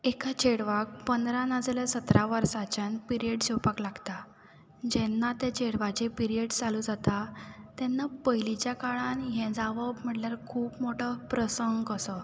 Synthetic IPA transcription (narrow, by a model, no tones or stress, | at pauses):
ekʰat͡ɕeɽʋak̚pənd̪ɾanad͡zljasət̪ɾʔaʋəɾsat͡ɕənpiɾieɖɕepaklaɡt̪a | d͡ʑɛnːat̪et͡ɕeɽʋat͡ɕepiɾieɽt͡salud͡zat̪at̪ɛnːapəɦilit͡ɕjakaɭanɦɛ̃d͡zaʋəbm̤əɽljaɾkʰuːpmoʈʰəpɾəsəŋɡəsə